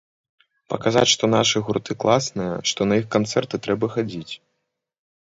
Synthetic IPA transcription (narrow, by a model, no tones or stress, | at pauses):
pɐkaza̰t͡sʲʂt̪ɔnaʂɨɣurt̪ɨklˠasnɨjɐ̰ʂt̪ɔnɐixkant̪sɛrt̪ɨt̪ɾɛbɐxad͡zʲit͡sʲ